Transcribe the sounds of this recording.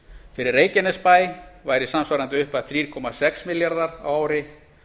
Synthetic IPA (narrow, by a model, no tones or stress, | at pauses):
fɪɾɪɾeːjcɪnɛspaːjvaːjɾɪsamsvaɾant̪ɪʏhpaðθɾiːɾ̥kʰɔmasɛksmɪljaɾðaɾa̰waːwɾɪ